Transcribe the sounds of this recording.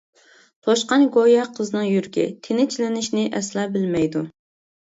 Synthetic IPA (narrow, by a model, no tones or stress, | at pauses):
t̪ʰoʃqɑnɡojɑqʰəznɨŋjyɾkʲɪ̰t̪ʰɪnɪt͡ʃʰilɪnɪʃnɪʔɛslɑːbɪlmɛjd̪u